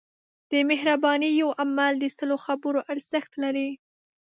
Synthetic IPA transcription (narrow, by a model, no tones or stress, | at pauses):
d̪̥əmehɾabɑnijawʔamald̪əsəloxabəɾoʔaɾz̥əxt̪laɾi